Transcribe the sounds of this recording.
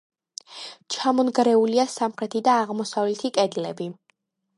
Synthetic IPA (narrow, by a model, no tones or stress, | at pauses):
t͡ʃʰamɔnɡɾɛuliasamχɾɛt̪ʰid̪aːʁmɔsavlɛt̪ʰikʼɛd̪lɛbi